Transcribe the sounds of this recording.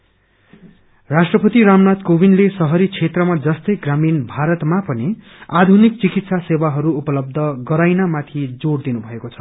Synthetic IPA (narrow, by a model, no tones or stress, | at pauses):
rasʈrʌpʌt̪iɾamnat̪kobinlesʌɦʌɾit͡sʰet̪rʌmad͡zʌst̪ʌjɡraminbʱaɾʌt̪mapʌni | ad̪ʱunik̚t͡sikit̪sasewaɦʌɾuːpʌlʌb̚d̪ʱʌɡʌɾajnamat̪ʰid͡zoɽd̪inubʱʌekot͡sʰʌ̥